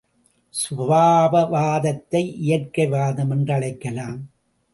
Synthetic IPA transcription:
sʊʋaːbɐʋaːðɐt̪ːɐɪʔɪjɐrkɐɪʋaːðɐmɐndrɐɭɐɪkːɐlaːm

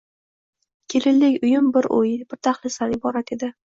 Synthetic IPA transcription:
kʲʰe̞lɪlːɪkʲʊjʊmbɪɾo̰jɪbɪɾt̪ʰaχlˠɪsanɪbɒɾat̪e̞d̪ɪ

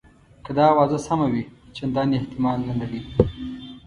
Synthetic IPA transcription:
kad̪ɑwɑzasamawit͡ʃend̪ɑnieht̪ɪmɑlːanaɽi

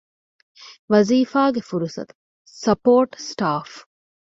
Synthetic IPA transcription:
ʋɐziːfaːɡefuɾusɐ̰t̪u̥ | sɐpoːʈsʈaːf

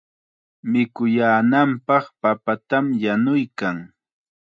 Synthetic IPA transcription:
mɪkʊjaːnampɑχpapat̪amjanʊjkaŋ

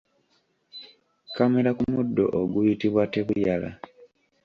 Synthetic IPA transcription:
kame̞ɾakumudːo̞̰ʔoɡujitiβwateβujala̰

